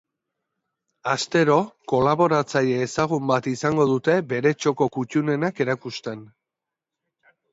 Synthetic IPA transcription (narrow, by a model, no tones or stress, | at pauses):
ast̪e̞ɾo̞ko̞laβo̞ɾat͡saʎeːsaɣ̞umbat̪isaŋɡo̞ðut̪e̞be̞ɾe̞t͡ʃo̞ko̞kut͡ʃune̞nake̞ɾakust̪e̞n